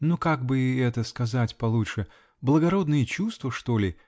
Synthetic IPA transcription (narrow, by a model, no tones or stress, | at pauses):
nukaɡ̚bɨɪɛt̪əskɐzatʲpɐlˠutʂɨ | blˠəɡɐɾo̞d̪nɨjət͡ɕust̪vəʂt̪o̞lʲɪ